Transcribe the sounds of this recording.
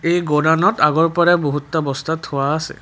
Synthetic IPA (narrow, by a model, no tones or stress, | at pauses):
ejɡɔnanɔtaɡɔɹpɔɹaboɦutːabɔstatʰːʊwaːsɛ̰